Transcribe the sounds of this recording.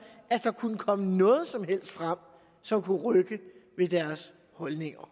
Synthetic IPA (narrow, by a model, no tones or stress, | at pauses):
ʔæd̥ɑ̈kʰunəkʰɒ̽mənɔ̽ːð̞̩ˠsɒ̽mɦel̰sd̥fʁam̰ | sɒ̽mkʰuʁœɡ̥əʋe̝d̥æɐs | hɒ̽lne̝ŋɐ